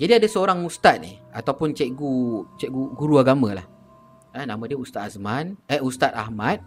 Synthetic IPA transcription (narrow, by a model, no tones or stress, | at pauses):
d͡ʒadiadasəoɾaŋust̪at̪̚nḭat̪awpʊnt͡ʃɛʔɡut͡ʃɛʔɡuɡuɾuaɡamə̃la̰h | ənamə̃diəust̪at̪̚asmãnəust̪at̪̚a̰hmat̪̚